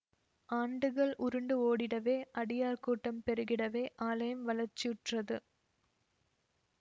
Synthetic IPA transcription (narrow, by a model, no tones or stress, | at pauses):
ʔaːɳɖɯɣɐɭʔʊɾɯɳɖɯoːɽɪɽɐʋeːʔɐɽɪjaːɾkuːʈːɐmpɛɾɯɣɪɽɐʋeːʔaːlɐjɐmʋɐlɐɾt͡ʃːɪʊʈrɐðɯ